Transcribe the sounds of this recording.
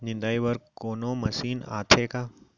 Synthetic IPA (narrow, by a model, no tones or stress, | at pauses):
nɪ̃nd̪aːiʋəɾkoːnoːmɐsiːna̰ːt̪ʰeːkaː